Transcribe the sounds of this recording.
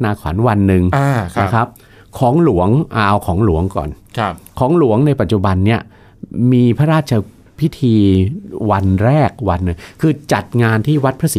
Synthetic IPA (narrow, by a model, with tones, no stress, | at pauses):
naː˧kʰɔ̰ː˩˦nwa˧nːɯ˨˧ŋː˧ka˦˧˩kʰa˦˥p̚ | kʰɔː˩˦ŋlu˩˦əŋʔaː˧wkʰɔː˩˦ŋlu˨˩˦əŋkɔ̰ː˨˩nʰ˧kʰɔː˩˦ŋlu˩˦əŋna˧jpa˨˩t̪̚t͡ɕu˨˩ba˧nːi˦˥˩ɐ | miː˧pʰa˦˥ɾaː˥˩t̪̚t͡ɕʰa˧ | pʰi˦˥t̪ʰiː˧wa˧nɾɛː˥˩k̚wa˧nːɯ˨˩ŋkʰɯː˧t͡ɕa˨˩t̪̚ŋaː˧nt̪ʰiː˥˩wa˦˥t̪̚pʰɾa˦˥si˨˦